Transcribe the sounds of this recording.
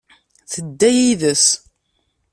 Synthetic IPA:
θəd̪ːæjiðəs

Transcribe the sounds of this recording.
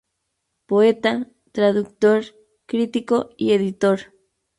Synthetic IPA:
poet̪a | t̪ɾaðukt̪oɾ | kɾit̪ikoieðit̪oɾ

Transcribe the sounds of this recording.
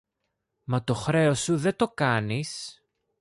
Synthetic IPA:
mɐt̪o̞xɾe̞o̞suðe̞t̪o̞kɐnis

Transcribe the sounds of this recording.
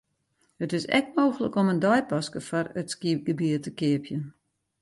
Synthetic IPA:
hətɪsɛ̰k̚moːxələ̰koməndɔjpɔskəfɔrətskiɡəbiətəkɪəpʰjən

